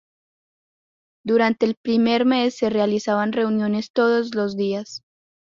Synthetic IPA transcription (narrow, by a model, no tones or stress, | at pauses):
d̪uɾant̪e̞ːlpɾime̞ɾme̞sːe̞realisaβanre̞unjo̞ne̞st̪o̞ðozlo̞zd̪ias